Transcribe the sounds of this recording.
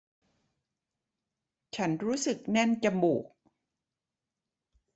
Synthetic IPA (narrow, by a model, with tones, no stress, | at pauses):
t͡ɕʰa˦˥nɾuː˦˥sɯ˨˩k̚nɛ˥˩nt͡ɕa˧mbuː˨˩k̚